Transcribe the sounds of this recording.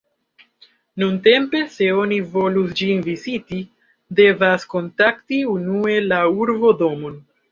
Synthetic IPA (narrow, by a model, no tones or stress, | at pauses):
nunte̞mpe̞se̞o̞nivo̞lusd͡ʒinviziti | de̞vasko̞ntaktiunue̞lauɾbo̞do̞mon